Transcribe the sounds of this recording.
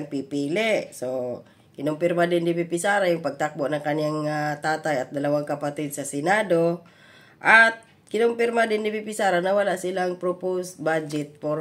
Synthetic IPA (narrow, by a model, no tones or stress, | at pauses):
ŋpipilɛʔso | kɪnʊmpirmadɛndibipisaɾajʊŋpaɡ̚t̪ak̚boʔnaŋkanjaŋat̪at̪ajat̪̚d̪alawaŋkapat̪id̪̚sasɛnad̪o | ʔat̪̚ | kɪnʊŋpirmad̪ɛndibipisaɾanawalaʔsilaŋpɾoposbad͡ʒɛt̪̚por